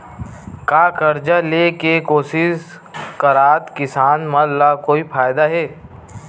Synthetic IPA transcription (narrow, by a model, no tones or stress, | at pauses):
kaːkɐɾd͡ʒaleːkekoːsɪʃ | kɐɾaːt̪kɪsaːnmɐllakoːipʰaːjd̪aɦɛː